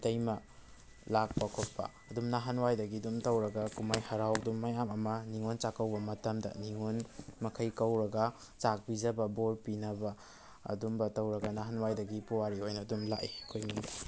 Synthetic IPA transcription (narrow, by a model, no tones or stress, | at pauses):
dɐjmɐ | lak̚pakʰot̚pːɐ̰ːdumnaɦɐnwajdɐɡidumtɐwɾɐɡɐkumajhɐɾaw̚dumːajamɐmɐniŋont͡ʃakɐwbɐmɐtɐmdɐ̰niŋonmɐkʰɐjkɐwɾɐɡɐ | t͡ʃak̚bid͡ʒɐbɐboɾpinɐbɐ | ɐ̰dumbɐtɐwɾɐɡɐnaɦanwajdɐɡipuwaɾihojnɐdumlaʔikʰojniŋdi